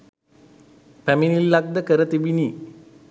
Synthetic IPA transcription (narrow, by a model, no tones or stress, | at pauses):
pæminilːak̚d̪əkəɾət̪ibini